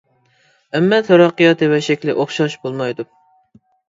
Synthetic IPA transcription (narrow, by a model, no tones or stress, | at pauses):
ɛmːɛt̪ʰoɾɑqːɨjɑt̪ʰɨvɛʃɛkʲlɪʔoχʃɑʃbolˠmɑjd̪u